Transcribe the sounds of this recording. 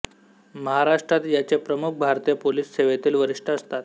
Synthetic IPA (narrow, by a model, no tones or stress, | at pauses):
məɦaɾaʂʈɾat̪jat͡sepɾəmuk̚ʰbʱaɾt̪ijəpoliːsːeʋet̪iːlʋəɾiʂʈʰəəst̪at̪